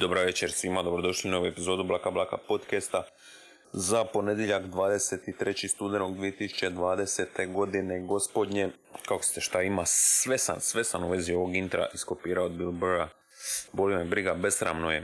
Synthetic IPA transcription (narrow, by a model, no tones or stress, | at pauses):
d̪obɾaʋe̞t͡ɕeɾsʋimad̪o̞bɾod̪o̞ʃlinoʋuepizo̞ːd̪ublˠakablˠakapo̞t̪kest̪a | zapo̞ne̞d̪jeʎakd̪ʋaːd̪e̞set̪it̪ɾe̞t͡ɕist̪ud̪enoɡd̪ʋijet̪isu̥t͡ɕe̞d̪ʋaːd̪e̞se̞t̪e̞ɡo̞d̪ine̞ɡo̞spo̞d̪ɲe̞ | kakost̪eʃt̪aimaʋe̞sa̰nsʋe̞sanuʋe̞zio̞ʋoɡint̪ɾa̰ʔiskopiːɾaod̪bilboɾa | bo̞limebɾiɡabe̞sɾa̰mnoje